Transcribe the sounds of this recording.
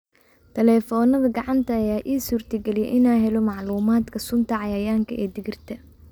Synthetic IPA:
t̪ʰɐlɛːfɔːnɐðɐɡɑʕɑnt̪ʰɐːjaːʔiːsuːrt̪ʰɐɡɛlɪjɛ̰ʔɪnaːɦɛlɔmɑʕluːmaːd̪kʰɐsʊnt̪ʰɐʕɑjaːjaːŋkʰɐʔɛːd̪ɪɣɪrt̪ʰɐ

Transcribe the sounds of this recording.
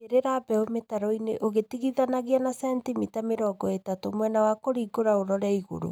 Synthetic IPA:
eɾeɾabɛometaɾɔineʔoɣetiɣiðanaɣianasɛntimitameɾɔːɡɔetatomwɛnawakoɾiɡoɾaoɾɔɾɛiɣo̰ɾo̰

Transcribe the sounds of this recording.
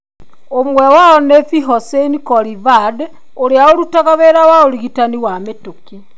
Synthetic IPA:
omwɛwaɔnefiɦɔsenikɔɾivad | oɾeaoɾutaɣaβeɾawaoɾiɣitaniwametoki

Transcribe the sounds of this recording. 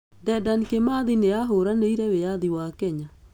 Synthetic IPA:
dɛdankemaðineaɦoɾaneiɾɛweaðiwakɛɲa

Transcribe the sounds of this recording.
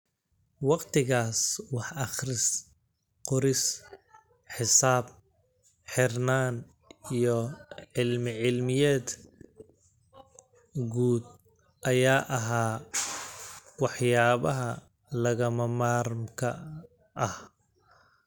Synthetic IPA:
wɑqt̪ʰɪɣaːswɑħʔɑχrɪs | qʊɾɪs | ħɪsaːb̚ | ħɪrnaːn | ijɔʕɪlmɪʕɪlmɪjɛːd̪ | ɡuːd̪̚ | ʔɐjaːʔɐɦaː | wɑħjaːβɐɦɐ | lɐɣɐmɐmaːɾmkʰɐ̰ | ʔɐh

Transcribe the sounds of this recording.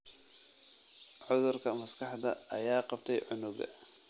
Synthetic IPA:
ʕʊðʊrkʰɐmɐskʰɑħd̪ɐʔɐjaːqɑb̚t̪ʰɛjʕʊnʊɣɐ̰

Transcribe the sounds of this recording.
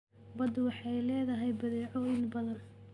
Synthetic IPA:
bɐd̪wɑħɑjlɛːðɐɦɛjbɐðɛːʕɔɪnbɐðɐn

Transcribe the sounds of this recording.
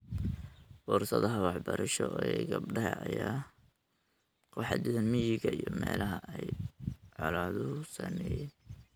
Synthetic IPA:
fɔrsɐðɐɦɐwɑħbɐɾɐʃɔʔɛɡɐbɖɐɦɐʔɐjaː | qɔħɑd̪ɪðɐnmɪjɪɡɐijɔmɛːlɐɦɐʔɛjʕɔlaːðʊsɐmɛːjɛːn

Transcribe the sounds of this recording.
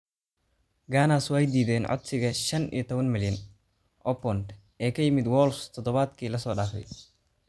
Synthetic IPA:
ɡaːnaswaːjd̪iːðɛːnʕɔ̰d̪sɪɣɐʃɐnḭjɔt̪ʰɔβɐnmɪljɐn | ʔɔpɔnd̪ | ʔɛːkʰɐjɪmɪd̪wɔːlst̪ʰɔd̪ɔβaːd̪kʰiːlɐsɔːɗaːfɛ̰j

